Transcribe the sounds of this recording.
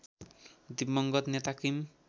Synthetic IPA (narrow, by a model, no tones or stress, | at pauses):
d̪imːʌŋɡʌt̪net̪akim